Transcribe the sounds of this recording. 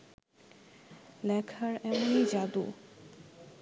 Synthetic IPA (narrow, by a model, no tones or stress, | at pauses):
lɛkʰaɾɛmonijd͡ʑad̪ṵ